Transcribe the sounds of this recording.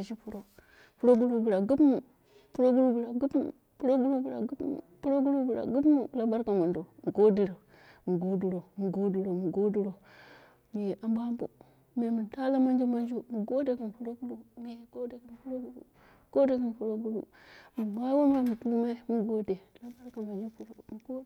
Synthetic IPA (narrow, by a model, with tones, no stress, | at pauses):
a˨ʃi˦pu˦ɾo˦ | pu˦ɾo˦ɡu˦ɾu˦bu˨ɾa˨ɡu˦pmu˨ | pu˦ɾo˦ɡu˦lu˦bu˨ɾa˨ɡu˦pm̰˨ | pu˦ɾo˦ɡu˦lu˦bu˨ɾa̰˨ɡu˦pm̰˨pu˦ɾo˦ɡu˦lu˦bu˨ɾa̰˨ɡu˦pmu˨la˨ba˦ɾka˨mo˨ndo˨m˨ɡo˦di˨ɾa˨ | mi˨ɡo˦du˨ɾo˨mu˨ɡo˦du˨ɾo˨mu˨ɡo˦du˦ɾo˨ | mi˨je˨ʔa˦mba˦mbo̰˦ | me˨mi˨nta˦la˦ma˦nd͡ʒi˦ma˦nd͡ʒo˦mu˨ɡo˦de˦ki˨n˨pu˦ɾo˦ɡu˦lu˦mi˨je˨ɡo˦de˨ki˨nfu˦ɾo˦ɡu˦ɾṵ˦˨ | ɡ̥o˦de˦˨kə˨n˨pu˨ɾo˦ɡu˦lṵ˨ | mi˨ma˦wo˦ma˦mu˨tu˦lu˦ma˦i˦mi˦ɡo˦de˨la˦ba˦ɾka˨ma˨d͡ʒi˦pu˦ɾo˦˨m˨ɡo˦